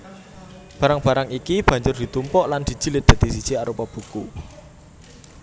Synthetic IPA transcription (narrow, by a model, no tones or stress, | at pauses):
b̥a̤ɾaŋb̥a̤ɾaŋikib̥a̤ɲd͡ʒʊrd̪̥i̤t̪umpɔʔland̪̥i̤d̥d͡ʒ̥i̤lɪt̪̚d̥̪a̤t̪isid̥d͡ʒ̥iaɾupɔb̥uku